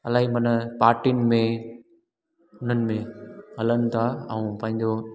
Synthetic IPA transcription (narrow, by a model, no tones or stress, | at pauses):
ɐlaːɦimɐnəpaːɾʈinɪ̆mẽ | ʊn̤ənɪ̆mẽɦɐlənɪ̆t̪ʰaɛ̰̃ũpɐ̃ɦɪ̃ɲd͡ʑo